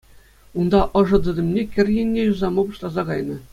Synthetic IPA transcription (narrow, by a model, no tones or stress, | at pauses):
und̪ɑʔɤ̆ʐɤ̆d̪ɤ̆d̪ʲɘ̆mnʲekʲɘ̆rʲjɘ̆nʲːejuzɑmɤ̆bɤ̆ʂlˠɑzɑkɑjnɤ̆